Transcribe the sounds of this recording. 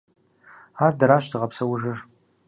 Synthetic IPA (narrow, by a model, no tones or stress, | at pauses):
aːrdɐɾaːɕdʰɨʁɐpsɐwʊʒɨr